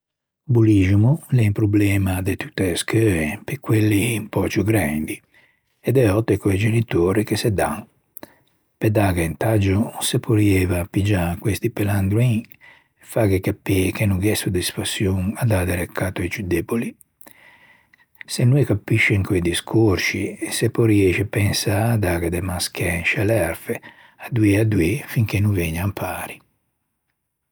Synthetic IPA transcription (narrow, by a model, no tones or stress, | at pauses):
buliʒmulɛmpɾublɛːmad̪et̪u̥t̪ːeskøɛpekːwelːiːmpɔt͡ʃuɡɾand̪i | ɛd̪ɛɔt̪ːekojd͡ʒenit̪oːɾikesɛd̪aŋ | pɛd̪aɡaint̪ad͡ʒusepʰoɾiɛvapid͡ʒakwest̪ipɛland̪ɾuiŋ | faɡɛkapːikenuɡɛsud̪ɛspasjoŋad̪ad̪ɛɾɛkːat̪oɛt͡ʃud̪ɛboli | senːuɛkapːiʃːɛŋkɔjd̪iskʰoɾʃisɛpɔɾiɛːʃɛpɛnsad̪aːɡad̪ɛmaskɛʃalɛɾfɛ | ad̪uead̪wefiŋkenuveɲampʰaːɾi